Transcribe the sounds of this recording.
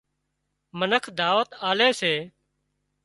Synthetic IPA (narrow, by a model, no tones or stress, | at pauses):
mənəkʰd̪aːʋət̪aːleːseː